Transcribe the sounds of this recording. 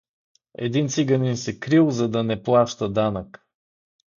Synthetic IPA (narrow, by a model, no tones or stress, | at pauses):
ɛ̰d̪int̪siɡɐninsɛkɾilˠzɐd̪ɐnɛplˠaʃt̪əd̪anək